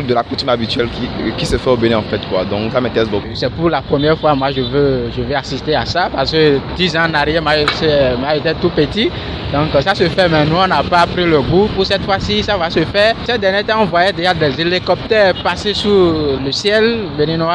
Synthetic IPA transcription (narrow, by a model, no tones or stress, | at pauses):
d̪əlakot̪ymabit̪ɥɛlkikisəfɛobenĩɑ̃fɛt̪kwa̰d̪ɔ̃klamɛt̪ɛsbosɛpuʁlapχəmjɛʁfwamwaʒəvøʒəvøasist̪easapaʁskød̪izãnaʁjɛmasɛmaet̪et̪upət̪i | d̪ɔ̃ksasəfɛmɛ̃nũɔ̃napapʁiləɡupusɛt̪fwasisavasəfɛsɛt̪̚d̪ɛnet̪ãɔ̃vwajɛd̪eʒad̪ɛzelikɔp̚t̪ɛʁpasesuləsjɛlbenĩnwa